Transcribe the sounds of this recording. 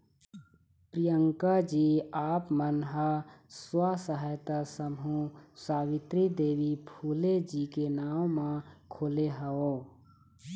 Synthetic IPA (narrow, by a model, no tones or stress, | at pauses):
pɾijəŋkad͡ʒiaːpmənɦəswasəɦajt̪asəmɦũsaːbit̪ɾid̪eːʋipʰuːled͡ʒikenaːwmãkʰoːleɦəo